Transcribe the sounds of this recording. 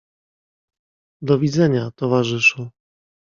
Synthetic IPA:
d̪ɔvʲid̪zɛɲat̪ɔvaʐɘʂu

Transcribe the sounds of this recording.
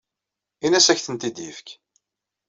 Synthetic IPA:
inæsæçθənt̪id̪jifk

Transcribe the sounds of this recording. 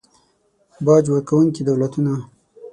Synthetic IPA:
bɑd͡ʒwəɾkawuŋkid̪awlat̪una

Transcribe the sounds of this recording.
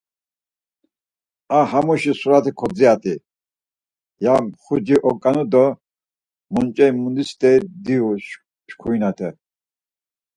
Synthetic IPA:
ahamuʃisuɾat̪ʰikʰɔd͡ziat̪ʼi | jaχud͡ʒiʔɔkʼanud̪ɔ | munt͡ʃʼɛimund̪ist̪ɛd̪iuʃ | ʃkʰujnat̪ʰɛ

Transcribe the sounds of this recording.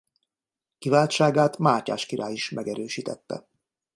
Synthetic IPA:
kivaːlt͡ʃaːɡaːt̪maːca̰ːʃkiɾʔaːjiʃmɛɡɛɾøːʃiːt̪ɛt̪ːɛ̰

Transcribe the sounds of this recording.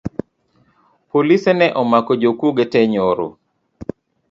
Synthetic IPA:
polisɛnɛʔɔmakɔd͡ʒokuɡetɛɲoɾo̰

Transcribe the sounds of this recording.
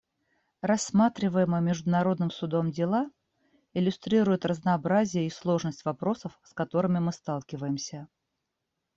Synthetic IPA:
rɐsːmat̪ɾʲɪvəjɪməmʲɪʐd̪ʊnɐɾo̞d̪nɨmsʊd̪o̞mdʲɪlˠa | ɪlʲʊst̪ɾʲiɾʊjɪt̪rəznɐːbɾazʲɪjəislˠo̞ʐnəsʲtʲvɐpɾo̞səfskɐt̪o̞ɾɨmʲɪmɨst̪alˠkʲɪvəjɪmsʲə

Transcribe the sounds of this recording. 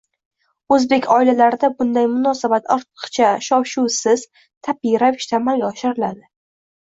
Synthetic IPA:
ɵzbe̞kʲʰɒɪlalaɾɪd̪abʊnd̪ajmʊnɒsabat̪ɒɾt̪ʰɨ̥qt͡ʃʰaʃɒwʃusɪz̥ | t̪ʰapijɾavɪʃt̪ʰaːmalɡʲaɒʃɪɾɪlad̪ɪ

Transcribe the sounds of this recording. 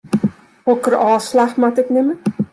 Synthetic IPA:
hɔkərɑːslaχmatɛknɪmə

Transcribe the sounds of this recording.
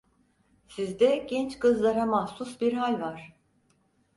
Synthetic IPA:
sizd̪ɛɟɛnt͡ʃkɯzlˠaɾamahsusbiɾɦalʲvaɾ̝̥

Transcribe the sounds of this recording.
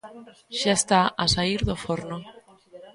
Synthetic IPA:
ʃaest̪aasaiɾðofoɾno

